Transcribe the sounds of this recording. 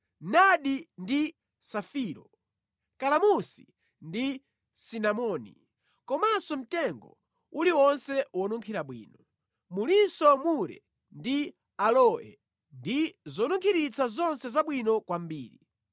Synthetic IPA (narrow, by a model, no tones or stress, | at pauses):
naɗindi | safiːɾɔ | kalamusi̥ | ndi | sinamɔːnḭ | kɔmasɔm̩tɛŋɡɔ̰ | uliwɔnsɛwɔnuŋkʰiɾaɓwḭːnɔ | mulinsɔmuɾɛ̰ | ndi | alɔɛ̰ | ndizɔnuŋkʰiɾit͡sʰazɔnsɛzaɓwinɔkwambiːɾi